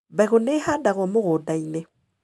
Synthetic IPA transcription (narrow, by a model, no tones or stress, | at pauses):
baɣonehadaɣwɔmoɣodaine